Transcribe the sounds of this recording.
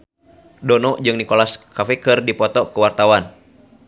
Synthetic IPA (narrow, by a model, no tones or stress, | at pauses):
dɔnɔʔd͡ʒɨŋnikɔlaskafɛkɨrdipɔt̪ɔkəwart̪awan